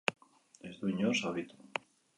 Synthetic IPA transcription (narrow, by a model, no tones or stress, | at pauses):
ezðuiɲosaβit̪o̥